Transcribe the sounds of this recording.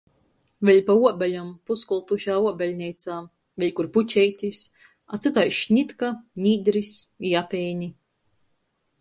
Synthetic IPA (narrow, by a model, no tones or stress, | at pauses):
vʲɛlʲpauɔbalʲampuskulˠt̪uʃaːuɔbʲɛlʲnʲɛjt̪saː | vʲelʲkuɾput͡ʃɛjt̪ʲis | at̪sɨt̪ajʃnʲit̪kanʲiːd̪ɾisiapʲɛjnʲi